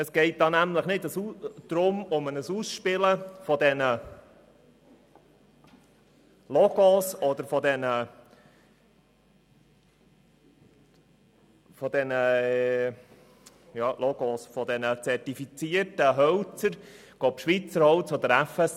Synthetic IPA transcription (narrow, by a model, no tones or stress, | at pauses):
əsɡ̥ɛɪt̚d̥̪ɑːnæmləχnɪdəsud̪̥ɾʊmʊmənəsusʃpɪləfɔd̪ɛnə | lɔɡ̥osɔd̪əɾfɔd̪ɛnə | fɔd̥̪ɛnə | jɑːlʔɔɡosfɔd̥̪ɛnət͡sɛrtifit͡siərtəɦœwt͡səɾɡ̥oːpʃʋit͡səɾhɔwt͡sɔd̥̪əɾæfɛs